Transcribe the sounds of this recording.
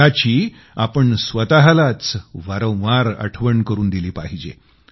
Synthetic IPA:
at͡ɕiː | apəɳsʋət̪aɦalat͡sʋaɾõʋaɾə̰ʈʰʋəɳkəɾuːnd̪iliːpaɦid͡ʑḛ

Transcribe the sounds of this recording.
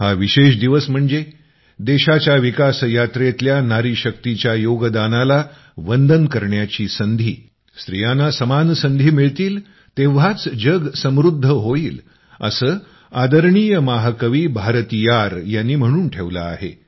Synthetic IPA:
haʋiɕeɕd̪iʋəsm̤əɳd͡ze | d̪eɕat͡ɕjaʋikasjat̪ɾet̪ljanaɾiɕək̚t̪it͡ɕjajoɡəd̪anala | ʋənd̪ʱənkəɾɳjat͡ɕiːsənd̪ʱiː | st̪ɾijanasəmansənd̪ʱiːmiɭt̪iːl | t̪eʋ̤at͡sd͡ʑəɡsəmɾud̪ʱːəɦoiːl | ə̰səː | ad̪əɾɳijəmaɦəkəʋiːbʱaɾət̪ijaɾjanːiːm̤əɽ̃uːnʈʰeʋla̰aɦḛ

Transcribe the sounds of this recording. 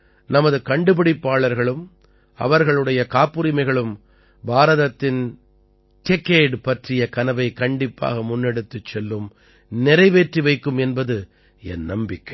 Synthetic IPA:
nɐmɐðɯkɐɳɖɯbɪɽɪpːaːɭɐɾɣɐɭɯm | ɐ̰ʋɐɾɣɐɭɯɽɐjɐkaːpːɯɾɪmɐɪɣɐɭɯm | bʱaːɾɐðɐt̪ːɪn | t̪ɪkːeːɖpɐʈrɪjɐkɐnɐʋɐɪkɐɳɖɪpːa̰ːɣɐmʊnːɛɽɯt̪ːɯt͡ʃːɛlːɯm | nɪɾɐɪʋeːʈriʋɐɪkːɯmɛnbɐðɯ | ɛnnɐmbɪkːɐɪ

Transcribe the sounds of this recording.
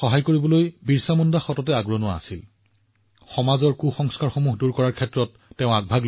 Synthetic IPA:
xɔɦajkoɹibɔlojbiɹsamɔndaxɔtɔtɛaɡɹɔnʊwaa̰sil | xɔmazɔɹkuxɔŋskaɹxomuɦduɹkɔɹaɹkʰɛtɹɔtːeʊ̃aɡ̚bʱaɡl

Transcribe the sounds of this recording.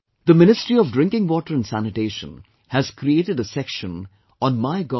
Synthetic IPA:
d̪əmɪ̃nɪstɹiɔvdɾɪ̃ŋkɪ̃ŋwɔʈəɾə̃nsænɨʈeːʃə̰̃n | hæz̥kɾieːʈɪɖəsɛkʃə̃n | ɔ̃nmaɪɡɔ

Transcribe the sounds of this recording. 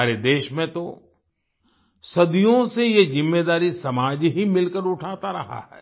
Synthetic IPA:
aːɾed̪eːʃmẽt̪o | sɐd̪ijõsejezɪmːeːd̪aːɾisɐmaːd͡ʒɦimɪlkəɾʊʈʰaːt̪aɾɐ̰ɦa̰ɦɛ̰ː

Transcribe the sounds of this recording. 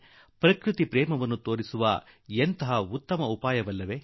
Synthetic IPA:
pɾɐkɾut̪ipɾɛːmɐʋɐnːut̪o̞ːɾisuʋɐ | ent̪ɐɦɐut̪ːɐmɐupaːjɐʋɐlːɐʋe

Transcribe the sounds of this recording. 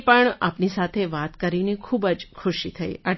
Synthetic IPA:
pəɳapnisat̪ʰeʋat̪kəɾinekʰubəd͡ʒkʰʊʃit̪ʰəḭa

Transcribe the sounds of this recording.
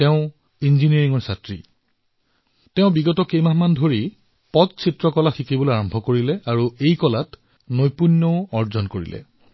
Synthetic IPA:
tɛʊ̃ | inzinieɹiŋɔɹsatɹḭ | tɛʊ̃biɡɔtɔkejmamandʱoɹi | pɔt̚sʰitɹɔkɔlaxʰikiboleaɹɔmbʱɔkoɹilɛaɹuejkɔlat | nojpunːɔʊɔɹzɔnkoɹḭlɛ̰

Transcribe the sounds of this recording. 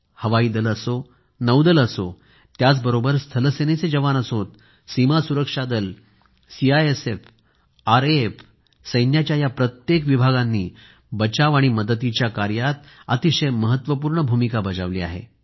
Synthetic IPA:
həʋaiːd̪ələso | nəwd̪ələso | t̪jat͡sbəɾobəɾst̪ʰələseñet͡sed͡ʑəʋanəsot̪ | simasuɾəkʂad̪əl | siajesef | aɾef | səjnjat͡ɕjajapɾət̪jekʋibʱaɡanːiː | bət͡ɕaʋaɽ̃iməd̪ət̪̬it͡ɕjakaɾjat̪ət̪iɕəjməɦət̪ːʋəp̬uːɾɳəbʱumikabəd͡zaʋlḭːa̰ɦḛ

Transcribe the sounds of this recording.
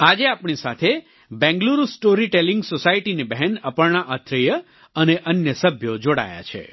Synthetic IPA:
ad͡ʒeapɳisat̪ʰe | bɛ̃ŋɡluɾusʈoɾiʈelĩŋɡsosaiʈinebəɦɛnəpəɭɳaʔət̪ʰɾəjə | əneʔənjəsəbʱjod͡ʒoɽa̰ja̰t͡ʃʰḛ

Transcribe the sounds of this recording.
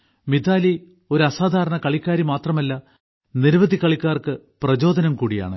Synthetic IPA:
mid̪aːli | o̞ɾuɐsaːd̪ʱaːɾɐɳɐkɐɭikʲːaːɾimaːt̪rɐmɐlːɐ | niɾʋɐd̪ʱikːɐɭikʲːaːrkɨ | prɐd͡ʑo̞ːd̪ʱɐnɐmkuːɽija̰ːɳɨ̰

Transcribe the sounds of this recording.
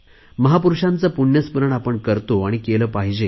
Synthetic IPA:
məɦapuɾuʂãnt͡səpuɳjəspəɾəɳapəɳkəɾt̪oaɽ̃ikeləːpaɦd͡ʑe

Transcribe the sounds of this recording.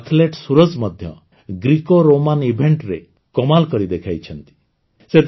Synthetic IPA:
t̪ʰleʈsuɾɔd͡ʒmɔd̪ʱjɔ̰ | ɡɾikoɾomanibʱeɳʈɾe | kɔmalkɔɾid̪ekʰajt͡ʃʰɔnt̪i̥ | set̪

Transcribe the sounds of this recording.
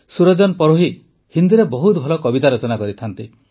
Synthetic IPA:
suɾɔd͡ʒɔnpɔɾoɦi | hind̪iɾebɔɦut̪bʱɔlɔkɔbit̪aɾɔt͡ʃɔnakɔɾit̪ʰant̪i

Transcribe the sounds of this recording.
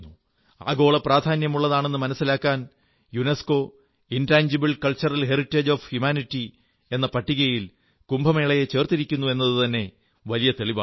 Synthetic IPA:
u | a̰ːɣo̞ːɭɐpraːd̪ʱaːnjɐmuɭːɐðaːɳe̞nːɨmɐnɐsːilaːkːaːn | junesko̞ː | intaːɲd͡ʑibɐɭkɐlt͡ɕːɐrɐlɦe̞ritːeːd͡ʑoːfhjumaːnitːi | e̞nːɐpɐʈːiɣɐjil | kumbʱɐme̞ːɭɐjet͡ɕe̞ːrt̪iɾikʲːunːue̞nːɐðɨt̪ɐnːe̞ | ʋɐlijɐt̪eɭiba̰

